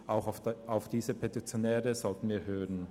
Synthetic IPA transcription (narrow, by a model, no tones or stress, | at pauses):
ʔaʊxaaʊfd̥iːzəpʰetit͡sjonɛːʁəz̥ɔltən̩viːɐɦøːʁən